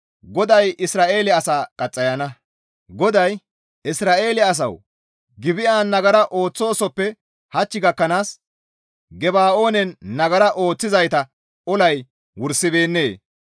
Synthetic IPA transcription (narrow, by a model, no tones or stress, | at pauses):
ɡɔd̪ɐjɪsɾaːʔe̞ːlɛɐsaːkʼɐt͡sʼːɐjɐnɐ | ɡɔd̪ɐj | ʔɪsɾaːe̞ːlɪɐs̬ɐ̰w | ɡɪbɪʔaːnːɐɡɐɾɐʔo̞ːt͡sːo̞ːsɔpːɛ | hɐt͡ʃːɪɡɐkːɐnaːs | ɡɛbaːʔo̞ːnɛnːɐɡɐɾɐʔo̞ːt͡sːɪzɐjt̪ɐ | ɔlɐj | wʊɾsɪbe̞ːnːe̞ː